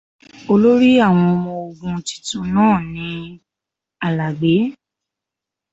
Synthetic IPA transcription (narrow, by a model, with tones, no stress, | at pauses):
o˧lo˦ɾi˦a˦˨w̃ɔ̃˧mɔ̃˧o˨ɡũ˧ti̥˦tũ˧nãː˦˨nĩ˨˧˦ | a˨la˨ɡ͡be˨˦